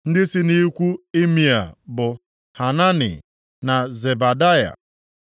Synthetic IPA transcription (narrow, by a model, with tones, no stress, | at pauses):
n̩˦dɪ˦sɪ˦ni˦kʷu˦e˦mi˨a̰˨bʊ˨ | ha˨na˦nɪ̰˨ | na˨ze˨ba˨da˦ja̰˨